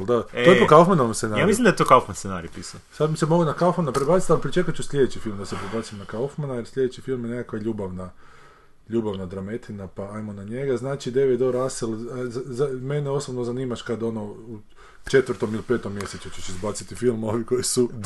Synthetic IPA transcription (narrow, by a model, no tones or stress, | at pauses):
ald̪att̪ojepokaufmanoʋomsenaɾaamislimnd̪aet̪okaufmanssena̰ɾipisu | sad̪misemo̞ɡunakaufmanapɾebat̪sit̪alipɾit͡ʃe̞kut͡ʃusʎʲe̞d̪et͡ʃifilˠmd̪asepɾebat̪simnakaufmanaje̞ɾslʎʲe̞d̪et͡ʃifilˠmjene̞kakʋaʎuːbaʋna | ʎuːbaʋnad̪ɾame̞t̪ʰinapaajmo̞naɲe̞ɡaznaːt͡ʃid̪eʋed̪o̞ɾaselzzame̞neo̞sobnozaniːmaʃkad̪o̞no̞u | t͡ʃe̞t̪ʋɾt̪o̞milipe̞t̪omːje̞set͡ʃut͡ʃut͡ʃizbat̪sit̪ifilˠmo̞ʋiko̞jisu